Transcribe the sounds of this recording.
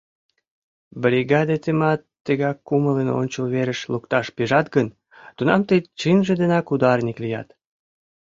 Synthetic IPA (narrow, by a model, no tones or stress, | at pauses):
bɾʲiɣɑd̪et̪emɑt̪ːəɣɑkːumələno̰nʲt͡ɕəlβeɾəʃlukt̪ɑʃpeʒɑt̪ɡən | t̪unɑmt̪ət͡ɕinʒed̪enɑkud̪ɑrnʲiklijɑ̰t̪